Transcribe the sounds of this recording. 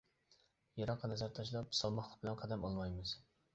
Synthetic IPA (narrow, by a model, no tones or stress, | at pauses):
jɑɾɑqʰːɑnɛzæɾt̪ʰɑʃlˠɑpsɑlˠmɑχlˠə̥q̚bɪlɛnqʰɑd̪ɛmɑlˠmɑjmɨz̥